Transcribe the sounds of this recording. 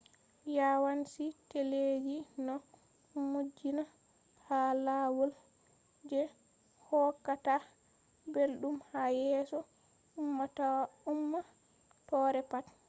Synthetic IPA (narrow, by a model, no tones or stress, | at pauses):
jawansiteled͡ʒinɔ | mud͡ʒina | halawɔl | d͡ʒɛ | hɔkːata | belɗumhajɛsɔ | umːatawumːa | tɔɾɛpat